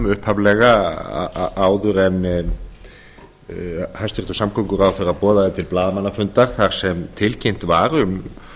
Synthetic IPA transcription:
ʏhphavlɛɣa̰ | ʔaːwðʏɾɛnː | hajst̪ʏrt̪ʏsamkʰowŋkʏɾawθɛɾapɔːðaðɪt̪ʰɪlplaːðamanːafʏnt̪aɾ̥θaɾ̥sɛmt̪ʰɪlcʰejn̥t̪vaːɾʏm

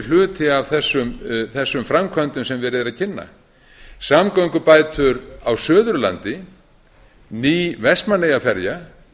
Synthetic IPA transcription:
l̥ʏːt̪ʰɪavθɛsːʏmθɛsːʏmfɾamkʰvœnt̪ʏmsɛmvɛːɾɪðɾaðcʰɪnːa̰ | samkowŋkʏpaːjt̪ʰʏɾawsœːðʏɾla̰nt̪ɪ | niːvɛsmanejafɛɾja

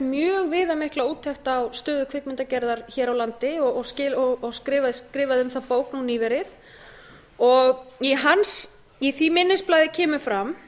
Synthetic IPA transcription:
mjœːɣvɪːðamɪhklauːt̪ʰːɛxt̪awst̪œːðʏkʰv̥ɪkmɪnt̪acɛɾðaɾ̥çɛːɾawlant̪ɪɔɔɣscɪːɔɔɣskɾɪːvaðskɾɪːvaðʏmθapoːwknuniːvɛɾɪθ | ɔɣiɦans | iθimɪnːɪsplaːjðɪcʰɛːmʏfɾam

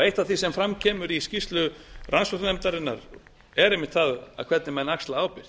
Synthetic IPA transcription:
ejht̪aθisɛmfɾamcʰɛːmʏɾiscist̪lʏrʔansfɔɾt̪nɛmt̪aɾɪnːa̰ɾ | ɛɾejmɪht̪θaða̰kʰvɛt̪nɪmɛnːakst̪laaːwpɪr̥

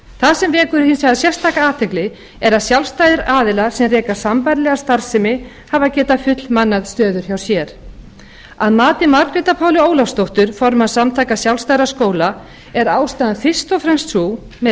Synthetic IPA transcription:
θasɛmvɛːkʏɾhinsjaðasjɛr̥st̪ʰaːkaaːt̪ʰɛklɪ | ɛɾaðsjawlvst̪ajðɪɾaːðɪlaɾ̥sɛmrɛːkḁsampajɾlɛɣast̪aɾ̥sɛmɪ | havacɛːt̪afʏt̪lmanːaðst̪œːðʏɾ̥çawsjɛɾ̥ | aðmaːt̪ɪmaɾk̪ɾɪːt̪apʰaːwlɪoːwlafst̪owht̪ʏɾ̥fɔɾmaðsamt̪ʰaːjkasjawlst̪ajɾaskoːwla | ɛɾaːwst̪aðanfɪ̥st̪ɔfɾɛmst̪su | mɛ

